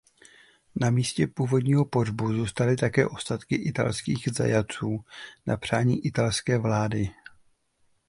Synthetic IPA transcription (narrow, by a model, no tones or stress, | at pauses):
namiːscɛpuːvo̞dɲiːɦo̞po̞dbuzuːst̪alɪt̪akɛːʔo̞st̪at̪kɪʔɪt̪a̰lskiːɣza̰jat͡suːna̰pr̝̥aːɲiːʔɪt̪alskɛːvlaːdɪ